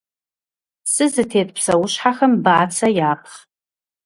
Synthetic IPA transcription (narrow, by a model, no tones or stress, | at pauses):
sɨzɨtʰeːtʼpʰsɐwʊʃħaxɐmbaʔat͡sʰɐjaːpʰχ